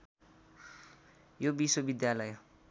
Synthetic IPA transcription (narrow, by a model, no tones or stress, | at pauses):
jobiswobid̪jalʌj